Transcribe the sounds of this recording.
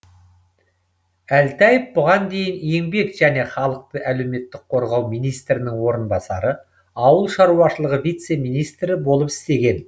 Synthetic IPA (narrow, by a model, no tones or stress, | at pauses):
ælt̪æjəpbʊʁɑnd̪e̞jɪnje̞ŋbe̞kʒ̥æne̞χɑlˠəq̚t̪əʔæle̞wme̞t̪ːɪk̚qʰo̞ɾʁɑwmijnijst̪ɾɪnɪŋwo̞ɾənbɑsɑ̰ɾə | ɑwəlˠʃɑɾuɑʃəlˠəʁəvijt̪se̞mijnijst̪ɾɪbo̞lˠəpɪ̥st̪e̞ɡʲe̞n